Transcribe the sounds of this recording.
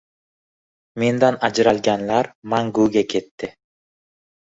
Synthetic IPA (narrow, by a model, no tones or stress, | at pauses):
me̞nd̪anad͡ʒɾalɡʲanlaɾmaŋɡuɡʲakʰʲet̪ːɪ